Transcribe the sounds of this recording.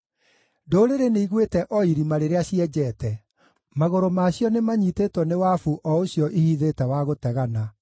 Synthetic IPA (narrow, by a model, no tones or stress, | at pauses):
doɾeɾeneiɣwetɛʔɔiɾimaɾeɾeaɕiɛd͡ʑɛːtɛ | maɣoɾomaːɕjɔnemaɲitetwɔnewafuʔɔoɕjɔʔihiðetɛwaɣotɛɣana